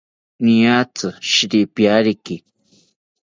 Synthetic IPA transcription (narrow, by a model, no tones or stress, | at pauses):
nĩjat͡sɨʃiɾipjaɾiki